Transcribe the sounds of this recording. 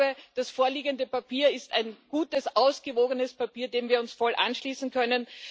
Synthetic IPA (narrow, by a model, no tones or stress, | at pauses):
bəd̥asfoːɐliːɡəndəpapiːɐɪstaɪnɡ̥uːtəsʔaʊsɡ̥əvoːɡənəspapiːɐdeːmviːɐʊnsfɔlʔa̰nʃliːsn̩kʰœnən